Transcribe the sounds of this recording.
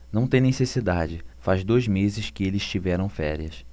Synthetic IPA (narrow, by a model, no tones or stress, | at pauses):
nɐ̃w̃t̪ẽj̃nesesid̪ad͡ʒɪfazd̪ojzmezɪskɪelɪʃt͡ʃivɛɾɐ̃w̃fɛ̰ɾiɐs